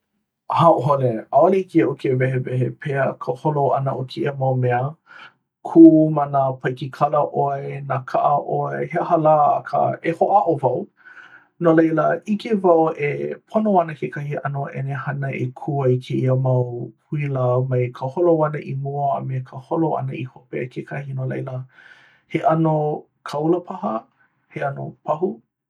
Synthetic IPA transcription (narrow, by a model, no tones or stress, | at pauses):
haʔoɦoleaoleikiʔokevɛɦevɛhepʰeəkʰəholoʔɐ̰nəʔokʰeʔiəmɐwmɛə | kʰuːmɐnapʰɐjkikʰɐləʔoenakʰaʔəʔoeheəhɐla̰ːkʰə̰ehoʔaʔovɐw | nolejləʔikevɐwepʰonoɐnəkekʰɐhiʔɐnoʔɛ̰nehɐnəʔḛkʰuəikʰeiəmɐwhʰuiləmɐjkʰəholowɐnəʔimṵːmekʰəholoɐ̰nəihopeə̰kʰekʰɐhinolḛjlə | heʔɐno | kʰɐwləpʰɐɦə | heɐno̰pʰɐɦu